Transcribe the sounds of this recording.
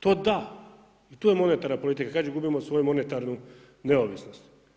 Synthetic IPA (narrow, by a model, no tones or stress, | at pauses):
t̪oːd̪a | it̪uːjemo̞net̪aɾnapo̞lit̪̬ikakad͡ʒeɡubimosʋo̞jumo̞net̪aɾnu | ne̞oʋisno̞st̪